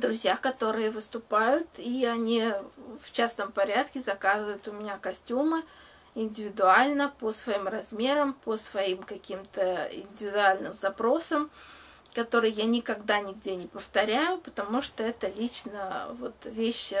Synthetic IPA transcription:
d̪ɾʊzʲjakɐt̪o̞ɾɨjəvɨst̪ʊpajʊt̪iɐnʲift͡ɕasnəmpɐɾʲat̪kʲɪzɐkazɨvəjʊt̪ʊmʲɪnʲakɐsʲtʲumɨ | ɪnʲdʲɪvʲɪd̪ʊalʲnəpəsvɐimrɐzmʲe̞ɾəmpəsvɐimkɐkʲimt̪əɪ̰nʲdʲɪvʲɪd̪ʊalʲnɨmzɐpɾo̞səm | kɐt̪o̞ɾɨjjanʲɪkɐɡd̪anʲɪɡdʲenʲɪpəft̪ɐɾʲæjʊpət̪ɐmuʂt̪oɛt̪əlʲit͡ɕnəvo̞t̪vʲeɕː

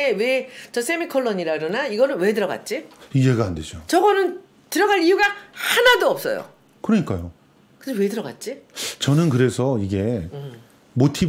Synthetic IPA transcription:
ewet͡ɕʌs͈ʰe̞mikʰʌɭːʌɲiɾaɯɾonaiɡʌnɯnwe̞dɯɾʌɡa̰t̚t͡ɕ͈iiɦe̞ɡaanded͡ʑot͡ɕʌɡʌnɯn | tɯɾʌɡaɭijuɡahanadoʌp̚s͈ʌjo̰ | kɯɾʌɲik͈ajo | kɯd͡ʑewe̞dɯɾʌɡa̰t̚t͡ɕ͈it͡ɕʌnɯnkɯɾe̞sʰʌiɡe̞ | motʰi

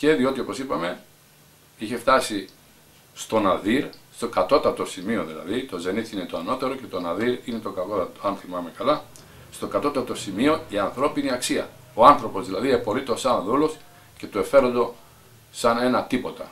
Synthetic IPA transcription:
ce̞ðio̞t̪io̞po̞sipɐme̞ | içe̞ft̪ɐsi | st̪o̞nɐðiɾst̪o̞kɐt̪o̞t̪ɐt̪osimio̞ðilɐ̰ðit̪o̞ze̞niθine̞t̪oɐno̞t̪eɾo̞ce̞t̪o̞nɐðiɾine̞t̪o̞kɐkot̪ɐt̪oɐnθimɐme̞kɐlɐ | st̪o̞kɐt̪o̞t̪ɐt̪o̞simio̞iɐnθɾo̞piniɐksiɐ̰ | oɐnθɾo̞po̞zðilɐðiepo̞lit̪o̞sɐnðulo̞s | ce̞t̪ue̞fe̞ɾond̪o̞ | sɐne̞nɐt̪ipo̞t̪ɐ̰

